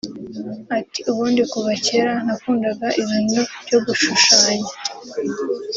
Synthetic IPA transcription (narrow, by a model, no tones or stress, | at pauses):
atiuβuːndikuβace̞ɾan̥akuːndaɡaʔiβiːnub̥jɟoɡuʃuʃaːɲa